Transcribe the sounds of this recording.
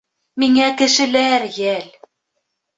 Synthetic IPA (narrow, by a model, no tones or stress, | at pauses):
miŋækɘ̆ʃɘ̆læɾjæl